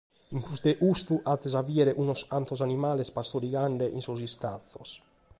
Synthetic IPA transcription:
iŋkusd̪eʔust̪uʔat̪ːɛzaviɛɾeʔunɔsant̪osanimaːlespast̪oɾiɡaɳɖeʔinsuzist̪aθos

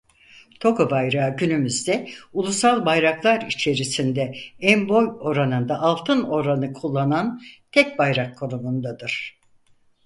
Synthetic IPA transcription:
t̪ʰo̞ko̞bajɾaːɟynymyzd̪ɛulˠusalˠbajɾaklˠaɾit͡ʃʰe̞ɾisind̪ɛɛnbo̞jo̞ɾanɯnd̪aʔalˠt̪ʰɯno̞ɾanɯkʰulˠːanant̪ʰɛc̚bajɾakʰːo̞numund̪ad̪ɯɾ̥

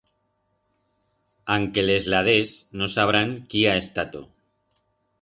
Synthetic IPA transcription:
aŋke̞le̞zlað̞e̞sno̞saβ̞ɾaŋkiae̞st̪at̪o̰

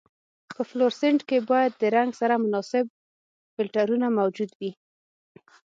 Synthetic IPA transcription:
pəfloɾsɪɳʈkebɑjad̪ːəɾaŋɡsaɾamʊnɑsɪb̚ | fɪlʈaɾunamawd͡ʒud̪wi

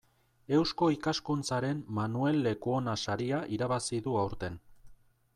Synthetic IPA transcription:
e̞wsko̞ikaskunt͡saɾe̞mmanue̞lːe̞kuo̞nasaɾiaʔiɾaβasiðuawɾt̪e̞n

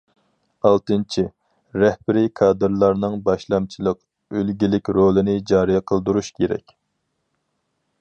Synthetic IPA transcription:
ɑlˠt̪ɨnt͡ʃʰi | ɾɛhbɪɾikʰɑːd̪ɨɾlˠɑɾnɨŋbɑʃlˠɑmt͡ʃʰilˠəq | ølɡʲilɪkʲɾolˠɨnɪd͡ʒɑːɾijɑqʰəlˠd̪uɾuʃkʲʰeɾɛ̰kʲ

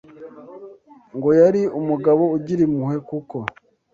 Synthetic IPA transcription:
ŋɡo̞jaɾiumuɡaβo̞uɟiɾimuhe̞kuko̞

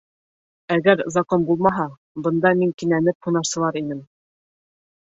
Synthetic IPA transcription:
æɡæɾzɑkonbulˠmɑɦɑ | bɤ̆nd̪ɑmiŋkinænɘp̚hunɑɾsɤ̆lˠɑɾinɘm

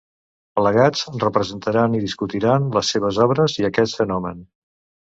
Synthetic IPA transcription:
ləɣad͡zrəpɾəzənt̪əɾaniðiskut̪iɾanləsːeβ̞əzɔβɾəziəkɛt̪fənɔmən

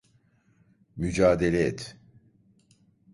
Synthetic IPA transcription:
myd͡ʒaːd̪elʲɛɛt̪

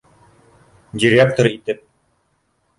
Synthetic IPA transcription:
d͡ʑiɾjæp̚t̪ŏɾɤit̪ɘp̚

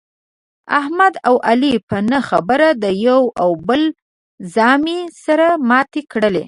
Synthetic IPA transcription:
a̰hmad̪awʔalipənəxabəɾad̪əjawawbəl | zɑmisaɾamɑt̪ekɽəlḛ

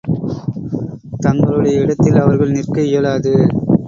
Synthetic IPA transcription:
t̪ɐŋɡɐɭɯɽɐjɐɪɽɐt̪ːɪlɐʋɐɾɣɐɭnɪrkɐɪjɐlaːðɯ

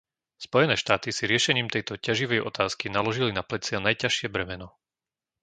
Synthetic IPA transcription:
spɔjɛnɛːʃt̪aːt̪isiɾɪɛʃɛɲiːmt̪ɛjt̪ɔcaʒiʋɛjɔ̰t̪aːskinalɔʒilinaplɛt͡sɪanajcaʃɪɛbɾɛmɛnɔ

